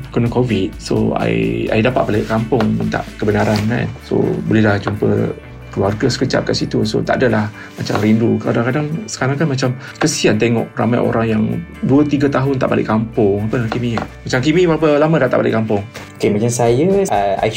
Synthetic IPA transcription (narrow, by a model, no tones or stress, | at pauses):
kunəkovit̪̚so̰a̰a̰jdapat̪̚balɪʔkampʊŋənt̪a̰ʔkəbənaɾanka̰nso̰bolɛlaht͡ʃumpə̰ | kəluarɡasə̥kət͡ʃa̰ʔ̚kaʔsit̪uso̰t̪aʔdalah | mat͡ʃa̰mrinduka̰daŋkadaŋsə̥kaɾaŋkanmat͡ʃamsə̥kəsiant̪eŋɔ̰ʔra̰majʔo̰ɾaŋjaŋduət̪iɡat̪aɦʊnt̪a̰ʔbalɪ̰ʔkampʊŋapədaakimĩmat͡ʃamkimĩwapəlamə̃daʔt̪a̰ʔbalɪ̰ʔkampʊŋokemat͡ʃamsajəa̰